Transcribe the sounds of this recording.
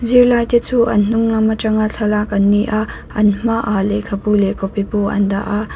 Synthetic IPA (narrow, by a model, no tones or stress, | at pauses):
ziɾlajtesʰuɐ̰nuŋnamɐtɐŋaɬʰɐlakɐnːiʔa | ɐnmaʔalekʰɐpulekopipoɐ̰nd̪a̰ʔa